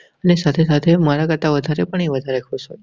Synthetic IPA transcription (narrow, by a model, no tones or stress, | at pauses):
ənesat̪ʰesat̪ʰemaɾaɡət̪aʋəd̪ʱaɾepəɳeʋəd̪ʱaɾekʰot͡ʃʰo